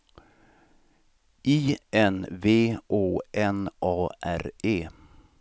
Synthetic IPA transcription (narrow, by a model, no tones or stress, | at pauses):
ʔiːɛnveːʔoːʔɛnʔɑːʔæ̰ɾeː